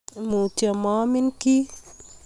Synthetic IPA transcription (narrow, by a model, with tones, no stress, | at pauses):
mu˨tjɔ˨ma˦mi˦nki˦